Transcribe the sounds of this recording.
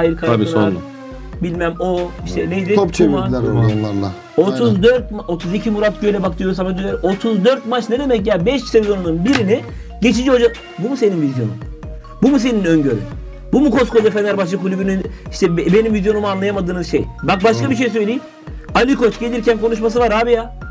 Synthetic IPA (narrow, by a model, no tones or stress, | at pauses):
ajiɾkʰa | bilʲmæmoiʃt̪ʰɛneizɛot͡ʃʰaɾalˠːa̰ | o̞t̪ʰuzd̪øɾt̪̚maot̪ʰuzicʰimuɾat̪̚ɟøjlʲɛbak̚t̪ɯjo̞ɾuzamad̪yleɾo̞t̪ʰuzd̪øɾt̪mat͡ʃned̪emɛcjaːbɛʃcʰʲi̥sevʲizo̞nununbiɾini | ɟet͡ʃʰid͡ʒiɦo̞d͡ʒa | bumuse̞ninvizjo̞nṵm | bumus̬e̞ninøɲɟøɾy̰ | bumukʰosko̞d̪afenæɾbaʃˠɯkʰulʲybyɾynyniʃt̪ʰɛbe̞nimvizjo̞numanlˠajamad̪ɯːnɯzʃejbak̚baʃkabiʃ̬e̞js̬ø̞jlʲiː | alʲikʰo̞t͡ʃɟe̞lʲiɾcʰænkʰo̞nuʃ̬mas̬ɯvaɾhaːbijaː